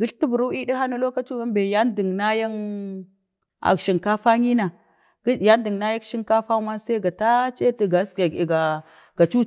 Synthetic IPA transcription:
ɡi˦ɬtu˦bu˨ɾu˦i˦di˦ɦa˦nu˦lo˦ka˦t͡ʃu˦ɡa˦mbe˨ja˦ndi˨ŋna˦ja˦n | a̰˨kʃi˨ŋka˦fa˦ɲi˦na˨ | ɡ̥ja˦ndi˨ŋna˦ja˦kʃi˦ŋka˦fa˦ma˦nsa˦ɡa˨ta˦t͡ʃe˦ti˨ɡa˨˦ska˨i˨ɡa˨ | ɡ̥a˨t͡ʃu˦

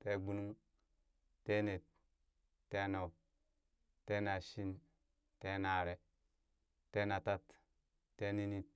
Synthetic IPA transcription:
te˦ɡ͡bu˦nu˦ŋ | te˦ne˨t̚ | tːe˦no˨ | te˦na˨ʃi˦n | te˦na˨ɾe˦ | te˦na˨ta˦t | te˦ni˦ni˦t̚

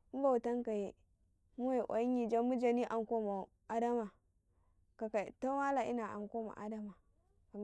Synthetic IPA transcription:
m̩˦ba˨u˨ta˦ŋka˨je˦ | mu˦we˨ʔa̰˨ji˦ɲi˨d͡ʒa˦mu˦d͡ʒa˨ni˦ʔa˨ŋ˦ko˦ma˨ | a˦da˦ma˨ | ka˨ka˨ta˦wa˦la˨ʔi˦na˨ʔa̰˨ŋko˦ma̰˨ʔa̰˦da˦ma˨ | ka˨m

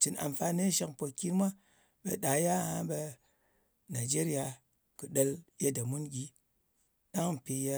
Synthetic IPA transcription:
t͡ʃi˨na̰˨m˨fa˧ne˦ʃa˧˦kpo˨kʲi˦n˦mʷa˦ | ɓe˧ɗa˨ja˦˨ha˦ɓe˧ | na˨d͡ʒe˦ɾi˦a˧ | kɨ˨ɗə˧lje˧da˨mu˦nɡʲi˦ | ɗa˦ŋm̩˨pe˧je˧

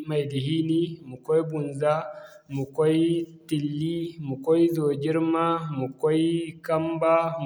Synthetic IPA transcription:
ma˨jdi˨ɦi˦ni˦mu˨kɔ˦i˦bu˨nza˦ | mu˨kɔ˦i˦ti˨lːi˦mu˨kɔ˦i˦zo˨d͡ʒi˦ɾma˦mu˨kɔ˦i˦ka˦mba˦

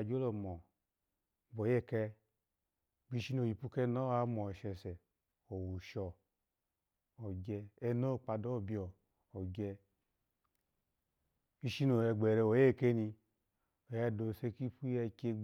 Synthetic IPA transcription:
d͡ʒo˦lo˨mɔ˨ | bo˨je˦˨kɛ˧ | bi˦˧ʃi˦no˨ji˨pu˦kɛ˦no˦a˧˦mɔ˨ʃɛ˨sɛ˨ | o˨wu˨ʃɔ˨ | o˨ɡɛː˧no˦˨k͡pa˧˨do˦˨bi˨ɔ˨ | o˨ɡɛ˧ | bi˦˧ʃi˦no˨ɛ˧ɡ͡bɛ˨ɾɛ˧˨wo˨˦e˦˨ke˦ni˧ | o˨ja˧do˨se˧ki˦pu˦jɛ˧ke˧

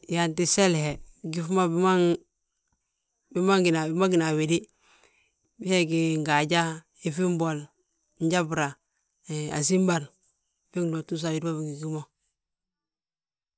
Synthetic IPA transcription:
ja˨nti˨se˦lhe˨ɡi˦fma˦bma˦ŋ | bi˦ma˦ŋɡi˨na˨bi˦ma˦ɡi˨na˨wi˨di˦ | bi˦he˦ɡi˨ŋɡa˨ɟa˦ | i˨fi˦mbo˨l | ɲ˦ɟa˦bɾa˨ | a̰˨s̬i˦mba˨ɾ | fi˦ŋdo˨tu˦s̬a˨wi˨di˦ba˦bi˨ŋɡi˨ɡi˦mo˦

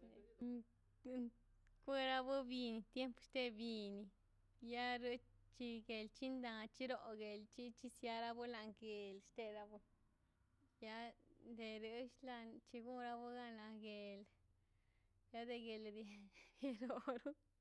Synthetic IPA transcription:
kʷe˦ɾa˧bu˦bi˧ni˧t̪je˦mpʃt̪e˧bi˧ni˧ | ja˦ɾu˧˦t͡ʃi˧ɡe˨lt͡ʃi˦nd̪ã˧t͡ʃi˦ɾo˨ɡe˨lt͡ʃi˦t͡ʃi˦sja˧ɾa˧bu˦la˧ŋɡe˨lʃt̪e˧ɾa˧bu˧ | ja˦nd̪e˧ɾu˧˦ʃla˧nt͡ʃi˧ɡu˦ɾa˧bu˦ɡa˧na˧ɡe˨l | ja˦d̪e˧ɡe˨ld̪ɡe˧ɾo˨ɾu˦

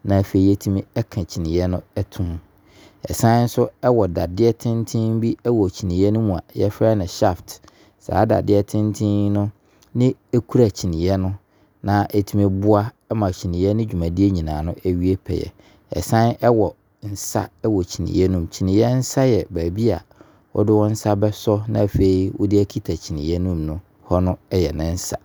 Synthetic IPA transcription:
nã˨fe˨i˨˦ɛ˦tʰĩ˦mĩ˦ɛ˦kʰã˨t͡ɕʰi˨nɪ̃˨jɛ˦nʊ̃˦ɛ˦tʰʊ̃˦m | ɛ̰˨sã˦n˦n̩˦sʊ˦ɛ˦wɔ˨da˨dɪ˦ɛ˦tʰɪ̃˦n˦tʰɪ̃˦m˦bi˦ɛ˦wɔ˨t͡ɕʰi˨nɪ̃˨jɛ˦nʊ̃˦mũ˨a˨jɛ˦fɾa˦nɪ̃˨ɕa˦˨ft | sa̰ː˨˦da̰˨dɪ˦ɛ˦tʰɪ̃˦n˦tʰɪ̃˦nʊ̃˦ | nɪ̃˦e˦kʰu˦ɾa˨t͡ɕʰi˨nɪ̃˨jɛ˦nʊ̃˦ | nã˨ʔe˨tʰĩ˦mĩ˦bʊ˦a˦ | mã˨t͡ɕʰi˨nĩ˨jɛ˦nʊ̃˦d͡ʑᶣu˨mã˨di˦e˦ɲĩ˨nãː˨nʊ̃˦ʔɛ˦ɥi˦e˦pʰɛ̰˨jɛ̰˨ | ɛ̰˨sã˦nɛ˦wɔ˨ | n̩˨sa̰˦ɛ˦wɔ˨t͡ɕʰi˨nḭ̃˨jɛ˦nʊ̃˦mt͡ɕʰi˨nĩ˨jɛ˦n̩˦sa˦jɛ˨bæː˨bi˦a˨ | ɔ̰˦dɪ˦wɔ˦n̩˦sa˦bɛ˦sɔ˦nã˦˨fe˨˦i˨wɔ̰˦dɪ˦æ˦kʰi˦tʰa˨t͡ɕʰi˨nɪ̃˨jɛ˦nʊ̃˦mnʊ̃˦ | hɔ˦nʊ̃˦ɛ˦jɛ˨nɪ̃˦n̩˦sa˦

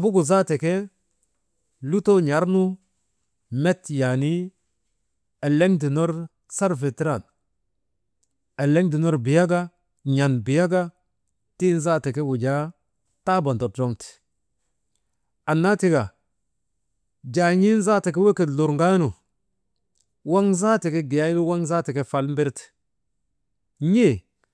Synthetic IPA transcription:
a˨bu˦ɡu˨za˦te˨ke˦ | lu˦to˦ɲa˨˦ɾnu˦ | me˦tja˨ni˦ | e˨le˦ŋdi˨no˦ɾ | sa˦ɾfe˨ti˦ɾa˦˨n | e˨le˦ŋdi˨no˦ɾbi˨ja˦ɡa˦ | ɲa˨nbi˨ja˦ɡa˦ | ti˦n˦za˦te˨ke˦wu˨d͡ʒa˦ | ta˦bo˨nto˨ɾd͡ʒo˦ŋti̥˨ | a˨nːa˦ti˦ɡa˨ | d͡ʒa˨ɲi˦n˦za˦ti˨k̬e˦we˦ke˨tlu˨ɾŋɡa˦nu˨ | wa˦ŋza˦ti˨ke˦ɡi˨ja˦lu˦wa˦ŋza˦ti˨ke˦fa˨lm˦bi˦ɾt | ɲe˦˨

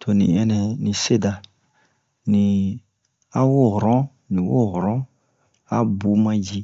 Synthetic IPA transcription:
tʰo˨nḭ̃˨ɛ˦nɛ̃˨nĩ˨se˦da˧ | nĩ˨ | a˦wo˦˨hɾɔ̃˦ | nĩ˨wo˦˨hɾɔ̃˦ | a˦bu˨˦mã˦d͡ʒi˦

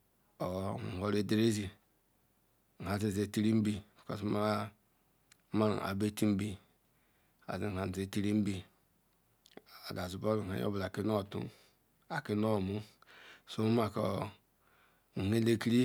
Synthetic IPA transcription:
o˨ho˨ɾe˨de˨ɾe˦zi˨ | a˨ze˨ze˨ti˦ɾi˦m̩˦bi˦˨ko̰˨sma˦a˦ | ma˦ɾ̰a̰˨be˦ti˦m̩˦bi˨ | a̰˨zi˦˨a˨n˨e˨ti˦ɾi˦m̩˦bi˨ | a˨ɡa˨zu˨bo˦ɾa̰˨jo̰˦bla˨ki˦no˦˨tṵ˦n | a˨ki˦no˦˨mu˦so˦ma˨ko˨ | he˦le˦ki˦ɾi˦

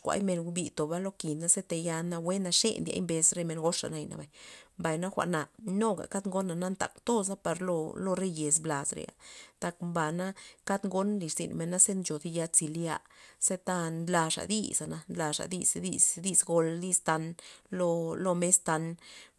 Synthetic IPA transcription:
kʷa̰˧jme˧nɡbi˧t̪o˨ba˦lo˦ki˨na˦se˦t̪a˧ja˧na˧we˦na˧ʂḛ˦nd̪ja̰˧jmbe˧sɾe˧me˧nɡo˦ʂa̰˨na˧jna̰˨ba˨jmba˨jna˦xʷa̰˨ʔna˨no˦ɡa̰˨ka˦t̪ŋɡo˦nːa˧na˦nt̪a̰˨kt̪o˦s̬a˦pa˨ɾlo̰˧lo˦ɾe˦je˨sbla˨sɾḛ˨a̰˨t̪a˧kmba˨na˦ka˦t̪ŋɡo˦nli˨ʂzḭ˨nme˧nːa˦se˦nt͡ʃo˨d̪i˧ja˧t͡si˧lja˧se˦t̪a˦nla˧ʂa̰˨d̪ḭ˦sa˨na˧nla˧ʂa̰˨d̪ḭ˦˧sd̪i˦˧sd̪i˦sɡo˧lli˦st̪a˧nlo˧lo˧me˦st̪a˧n

